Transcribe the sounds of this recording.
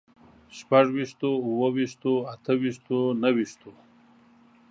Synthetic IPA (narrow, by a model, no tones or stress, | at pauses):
ʃpaʐwiʂt̪ouwowiʃt̪oat̪ʰəwiʃt̪onawiʂt̪o